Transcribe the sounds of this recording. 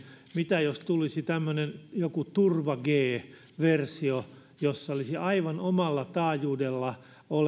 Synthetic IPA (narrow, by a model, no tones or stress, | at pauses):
mit̪æjost̪ulisit̪æmːønenjokut̪urʋɑɡeː | ʋersio | josːɑolisiɑiʋɑnomɑlːɑt̪ɑːjuːdelːɑ | ol